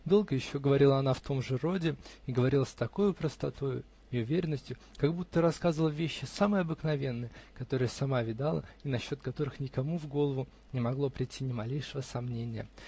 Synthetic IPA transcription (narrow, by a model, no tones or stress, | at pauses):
d̪o̞lˠɡəjɪɕːoɡəvɐɾʲilˠəɐnaft̪o̞mʐɨro̞dʲɪiɡəvɐɾʲilˠəsʲt̪ɐko̞jʊpɾəst̪ɐt̪ojʊ̰ | ɪʊvʲeɾʲɪnːəsʲtʲjʊ | kɐɡbut̪ːəɾɐskazvəlˠəvʲeɕːɪsamɨjɐbɨknɐvʲe̞nːɨjəkɐt̪o̞ɾɨjəsɐmavʲɪd̪alˠə̰inɐɕːo̞t̪̚kɐt̪o̞ɾɨxnʲɪkɐmuvɡo̞lˠəvʊ | nʲɪmɐɡlˠo̞pɾʲɪtʲʰːinʲɪmɐlʲejʂɨvəsɐmnʲenʲɪjə̰